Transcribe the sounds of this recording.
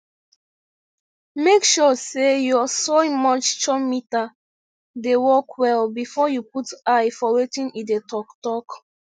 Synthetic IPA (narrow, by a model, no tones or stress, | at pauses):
mekʃɔsejɔasomɔt͡ʃt͡ʃɔmita | dewɔkʰwɛlbifɔjuputajfɔwetĩnidetɔktɔk